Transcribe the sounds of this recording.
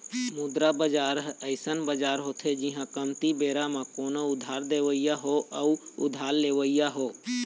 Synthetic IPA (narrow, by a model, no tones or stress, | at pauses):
mʊd̪ɾabəd͡ʒaːɾɦəɪsənbəd͡ʒaːɾɦoːt̪ʰed͡ʒiɦãkəmt̪ibeːɾamãkoːnoʊd̪ʱaːɾd̪eːʋəɪjaɦoəʊ̰d̪ʱaːlleːʋəɪjaɦoː